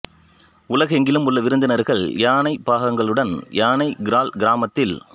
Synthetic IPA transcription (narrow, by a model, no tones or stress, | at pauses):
ʊlɐɣɐɛŋɡɪlɯmʊlːɐʋɪɾɯnd̪ɯɪnɐɾɣɐɭjaːnɐɪpaːɣɐŋɡɐɭɯɽɐnjaːnɐɪɡɪɾaːlɡɪɾaːmɐt̪ːɪl